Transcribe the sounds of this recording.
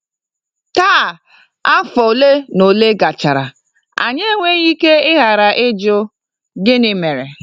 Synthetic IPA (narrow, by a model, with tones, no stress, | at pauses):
taː˦˨ | a˦fɔ˨le˦no˨le˦ɡa˨t͡ʃa˨ɾa˨ | a̰˨ɲe˦ŋʷe˦ɣi˦ke˦ɪ˦ɣa˨ɾa˨ʔɪ˦d͡ʒʊ˦ | ɡɪ˦nɪ˨me˨ɾe˨